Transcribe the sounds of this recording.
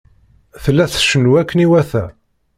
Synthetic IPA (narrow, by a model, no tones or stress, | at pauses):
θəlːæθʃənwækːəniwæθæ